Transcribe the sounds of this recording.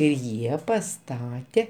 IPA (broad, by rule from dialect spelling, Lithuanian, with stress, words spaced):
ɪ ˈjiɛ pɐˈstɑːtʲɛ